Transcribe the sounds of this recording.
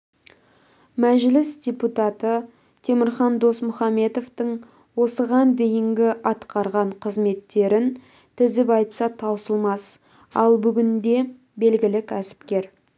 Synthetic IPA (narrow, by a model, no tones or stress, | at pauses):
mæʒlɪsdʲe̞put̪ɑt̪ə | t̪ʰe̞mɪɾχɑnd̪o̞smʊχɑmːe̞t̪o̞ft̪əɴ | wo̞səʁɑnd̪ejɪŋɡʲɪʔɑt̪qɑɾʁɑɴqʰəzme̞t̪ːe̞ɾɪn | t̪ʰɪzɪpɑjt̪sɑt̪ʰɑwsəlˠmɑs | ɑlˠbʏɡʲɪnd̪e̞ | be̞lɡʲɪlɪkʲʰæsɪ̥pkʲe̞ɾ